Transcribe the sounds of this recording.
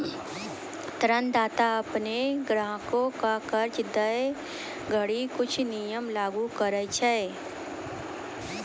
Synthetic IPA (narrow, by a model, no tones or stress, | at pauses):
t̪ɾənd̪aːt̪aəpneɡɾaɦkõkakəɾt͡ʃd̪əe | ɡʱəɽikʊt͡ʃʰnijəmlaːɡukəɾəjt͡ʃʰə